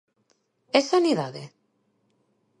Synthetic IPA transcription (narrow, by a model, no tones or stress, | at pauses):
esaniðaðḛ